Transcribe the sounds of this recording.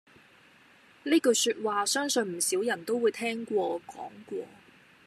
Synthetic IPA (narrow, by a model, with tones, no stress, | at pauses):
niː˥kɵ˧syː˧t̚waː˨sœː˥ŋsɵ˧nm̩˨˩siː˨˥wjɐ˨˩nt̪o˥wuː˨˧jt̪ʰɛː˥ŋkʷɔː˧kɔː˨˥ŋkʷɔː˧